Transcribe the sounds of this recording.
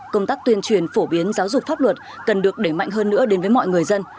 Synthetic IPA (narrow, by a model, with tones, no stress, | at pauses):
kə˧wŋ͡mt̪aː˦˥k̚t̪wi˧ənt͡ɕwi˨˩ənfo˧˩ɓi˨˦ənzaː˨˦wzʊ˨˩k͡p̚faː˦˥p̚lwə˨˩t̚ | kə˨˩nɗɨ˨˩ək̚ɗe˧˩ma̰˧˨jŋɦəː˧nːɨ̰˧˥əɗe˨˦nvːjmɔ̰˧˨jŋɨ˨˩əjzə˧n